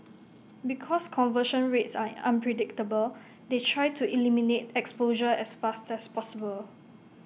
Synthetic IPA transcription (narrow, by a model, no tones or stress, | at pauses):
bikʰɔskʰɔ̃nvəʃə̃nɹetsaã̰npʰɹɛdɪk̚təbəl | detʰɹajtʰuʔiliminetɛkspoʒəɛsfastɛspɔsibəl